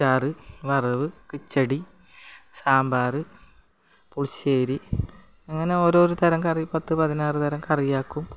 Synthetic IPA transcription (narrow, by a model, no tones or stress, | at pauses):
aːrɨʋɐrɐʋɨkɨt͡ɕːɐɽi | saːmbaːrɨ | puɭt͡ɕːeːɾi | ɐŋːɐne̞o̞ːɾo̞ːɾut̪ɐɾɐŋkɐrijpɐt̪ːɨpɐðinaːrɨt̪ɐɾɐŋkɐrijaːkːum